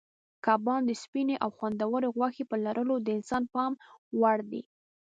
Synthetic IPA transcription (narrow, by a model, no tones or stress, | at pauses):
kɑbɑnd̪əspineʔawxwand̪awəɾeɣwɑxepəlaɾʔəlod̪əɪnsɑnpɑmwaɽd̪ḭ